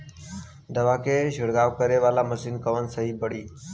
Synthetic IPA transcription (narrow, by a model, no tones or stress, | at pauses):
d̪əʋaːkʰeːd͡ʒɪɽɡaːʋkəɾeːʋaːlaːməsiːnkəʋənsəɦiːbəɽ̤iː